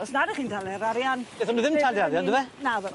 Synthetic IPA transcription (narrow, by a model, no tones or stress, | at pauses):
ɔsnadɛχiːntʰalɛɾaɾjan̥eːθɔnuðɪmtʰalˠdiaɾjanddɪvɛnaðɛ